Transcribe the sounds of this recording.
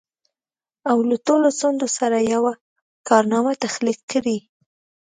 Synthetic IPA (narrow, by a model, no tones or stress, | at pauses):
awlaʈolot͡sond̪osaɾajawa | kɑɾnɑmat̪axliqkːəɽi